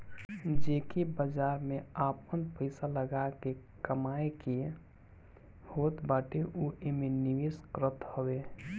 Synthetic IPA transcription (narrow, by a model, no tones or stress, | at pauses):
d͡ʒeːkebəd͡ʒaːɾmeapənpəɪsaləɡake | kəmaːekie | hot̪baːʈeʔuʔemeniʋeskɾət̪həwe